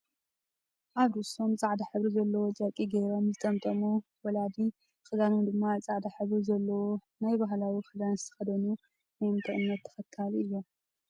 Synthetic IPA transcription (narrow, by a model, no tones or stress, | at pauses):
ʔaβd̪uso̞mt͡sʼaʕd̪aħɨβɾizɐlːɐwod͡ʒʼakʼiɡeɾo̞mzɨt̪ʼɐmt̪ʼɐmu | wɐlad̪i | xɨd̪anund̪ɨmːat͡sʼaʕd̪aħɨβɾizɐlːɐwo | najbaɦlawixɨd̪anzɨt̪ʰɐ̥xɐd̪ɐnu | njɨnt̪ʰʼɨʔɨnːɐt̪ʰːɐ̥xɐkʰːalɨjːom